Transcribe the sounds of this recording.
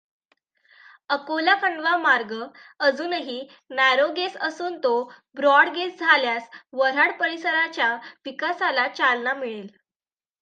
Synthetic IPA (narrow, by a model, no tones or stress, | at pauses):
əkolakʰəɳɖʋamaɾɡəəd͡zuːnɦiː | najɾoɡesəsuːnt̪obɾɔɽɡesd͡zʱaljasʋəɾəɽpəɾisəɾat͡ɕjaʋikasalat͡ɕalnamiɭel